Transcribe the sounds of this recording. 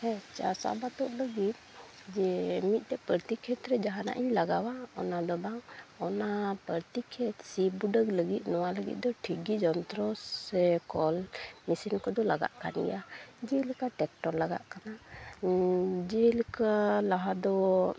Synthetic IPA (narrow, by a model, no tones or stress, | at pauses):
hɛt͡ʃa̰sa̰bat̪ɔʔləɡit̪̚ | d͡ʒɛmit̪̚ˀt̪ɛpəɾt̪ikʰɛt̪ɾɛd͡ʒaɦana̰ʔjilaɡawaɔnad̪ɔbaŋɔnapəɾt̪ikʰɛt̪sibuɖəɡləɡit̪̚nɔwaləɡḭt̪̚d̪ɔʈʰiɡid͡ʒɔnt̪ɾɔɛkɔlmisinkɔd̪ɔlaɡa̰ʔka̰nɛ̰ʔad͡ʒɛlkaʈɛk̚ʈɔɾlaɡa̰ʔkana | d͡ʒɛlkalaɦad̪ɔ